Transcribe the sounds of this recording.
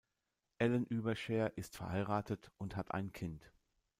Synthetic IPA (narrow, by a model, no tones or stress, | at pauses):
ʔɛlənʔyːbɐʃɛːɐʔɪstfɛɐhaɪʁaːtətʊnthatʰʔa̰ɪnkʰɪnt